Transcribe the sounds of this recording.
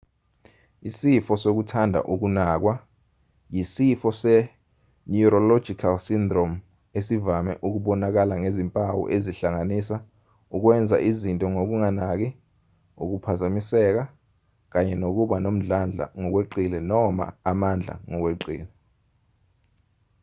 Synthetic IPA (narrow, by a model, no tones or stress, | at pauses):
isifɔsok̬utʰandʱa̰ʔuk̬unaːk̬wa | jisifɔsɛ | niuɾɔlɔ̥d͡ʒ̥ʱikʰalsindrom | esivamɛ̰ʔuk̬uɓɔnak̬alaŋezimpʼawɔ̰ʔeziɬaŋanisa | uk̬wɛnd͡zʱa̰ʔizintʼɔŋok̬uŋanak̬ɛ | ok̬upʰazamisɛk̬a | k̬aɲɛnok̬uɓanom̩ɮand͡ɮʱa̰ŋɔk̬weǃilɛnɔma̰ːmand͡ɮʱa̰ŋɔk̬weǃḭːlɛ